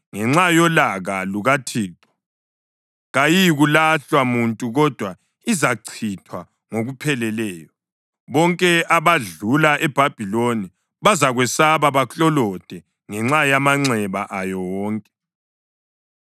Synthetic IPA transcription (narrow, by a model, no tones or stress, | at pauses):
ŋɛŋ͡ǁajɔlaɣaluɣatʰiːtʼɔ̥ | ɣajiɣulaɬwamuntʼuɣɔd̥ʱwa | izaǀʰitʰwa | ŋoɣupʰɛlɛlɛːjɔ | βɔŋkʼɛʔaβaɮulaʔɛb̥ʱab̥ʱiloni | βazaɣwɛsaβaβaɬɔlɔd̥ʱɛ | ŋɛŋ͡ǁajamaŋ͡ǀɛβaʔajɔwɔːŋkʼɛ̥